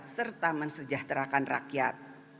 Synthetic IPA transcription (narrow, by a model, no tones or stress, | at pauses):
sərt̪amənsəd͡ʒaht̪ɾakanra̰kijat̪̚